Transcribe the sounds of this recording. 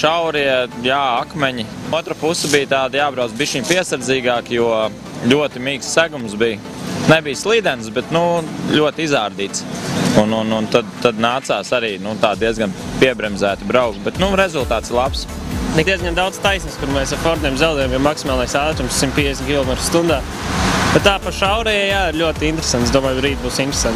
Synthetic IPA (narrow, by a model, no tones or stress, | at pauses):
ʃawɾiɛjaːakmɛɲiuɔt̪ɾapusəbijt̪aːd̪jaːbɾaw̪zbiʃiɲpiɛsaɾdziːɡaːkjuɔ | ʎʲuɔt̪imiːkssæɡumsbij | nɛbijslˠiːd̪ɛnsbɛt̪nuʎuɔt̪izaːɾd̪iːt̪sunununt̪ad̪t̪ad̪naːt̪saːsaɾiːnut̪aːd̪̚d̪iɛzɡanpiɛbɾɛmzæːt̪ibɾaʊkbɛt̪nuɾɛzulˠt̪aːt̪sɪɾlˠaps | nɛd̪iɛzɡand̪awd̪st̪ajsniskuɾmɛːsaɾfɔɾt̪niɛmzawd̪ɛːjamjɛmaksimaːlnajsaːlˠt̪ɾumssimt̪̚pʲiɛd̪ʲesʲmʲtkʲilˠɔmɛt̪ɾ̥st̪und̪aː | b̥ɛt̪t̪ːaːpaʃawɾɛjajaːiɾlʲuɔt̪int̪ɾe̥sant̪sd̪uɔmaːjbɾiːt̪̚buːsint̪ɾe̥sãnt̪